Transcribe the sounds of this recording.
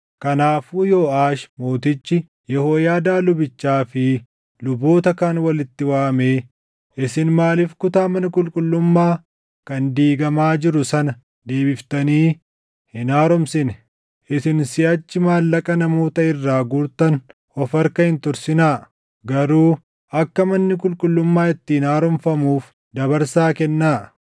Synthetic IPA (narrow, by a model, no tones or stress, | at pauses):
kɐnaːfuːjoːaːʃmoːt̪ɪt͡ʃːɪ | jɛhoːjaːd̪aːlʊbɪt͡ʃːaːfɪ | lʊbo̞ːt̪ɐkanwɐlɪt̪ːɪwaːmeː | ʔɪsɪnmaːlɪfkʊt̪aːmɐnɐkʼʊlkʼʊlːʊmːaː | kɐnd̪iːɡɐmaːd͡ʒɪɾʊsɐnɐ | d̪e̞ːbɪft̪ɐniː | hɪnaːɾɔmsɪnɛ | ʔɪsɪnsɪʔɐt͡ʃːɪmaːlːɐkʼɐnɐmo̞ːt̪ɐɪrːaːɡuɾt̪ɐn | ɔfɐɾkɐhɪnt̪ʊɾsɪnaː | ɡɐɾuː | ɐkːɐmɐnːɪk̬ʼʊlkʼʊlːʊmːaːɪt̪ːɪhɪnaːɾɔmfɐmuːf | d̪ɐβɐɾsaːkɛnːaː